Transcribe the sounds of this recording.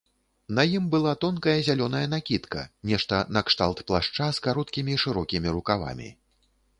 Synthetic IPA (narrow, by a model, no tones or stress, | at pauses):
nɐjimbɨlˠat̪ɔnkɐjɐzʲalʲɔnɐjɐn̪akʲit̪kɐ̰nʲɛʂt̪ɐnɐkʂt̪alˠt̪plˠaʂt͡ʂaskaɾɔt̪kʲimʲiʂɨɾɔkʲimʲiɾukava̰mʲḭ